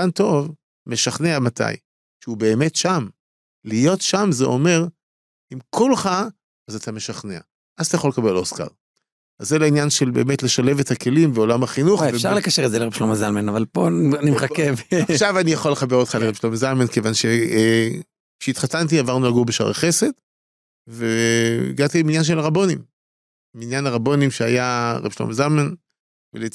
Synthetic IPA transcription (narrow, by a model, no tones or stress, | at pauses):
anto̞v | me̞ʃaχneamata̰j | ʃeube̞ːme̞tʃam | lijo̞tʃamzeo̞me̞ʁ | imkulχa | azatʰame̞ʃaχnea̰ | ʔat̪ajaχo̞lekabe̞lo̞ska̰ʁ | azelainjanʃe̞lbe̞ːme̞tle̞ʃale̞vet̪hake̞limbeo̞lamhaχinuχveʃaʁlekaʃeʁtzeleʁebʃlomazalmanavalponimχakevχʃavanijaχolːe̞χabe̞ʁot̪χaleʁebʃlomezalmanke̞vanʃe | kʃeit̪χatant̬iavaʁnulaɡubeʃa̰ʁḛχe̞se̞t | veḭɡat̪iminjanʃ̬elaʁabo̞nim | minjanaʁabo̞nimʃeajaʁḛb̥ʃlo̰mazalman | vele